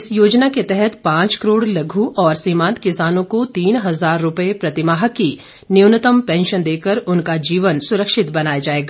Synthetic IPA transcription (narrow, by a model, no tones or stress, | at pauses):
ɪsjoːd͡ʒnaket̪ɛɦɛt̪pãːt͡ʃkəɾoːɽlɐɡʱuʔɔːɾsiːmãːnt̪kɪsaːnõkot̪iːnɦɐzaːɾːʊpəepɾɐt̪ɪmaːɦəki | nɪʊnət̪əmpɛ̃ːnʃənd̪eːkəɾʊnkad͡ʒiːʋənsʊɾəkʃɪt̪bɐnaːjad͡ʒaːeːɡaː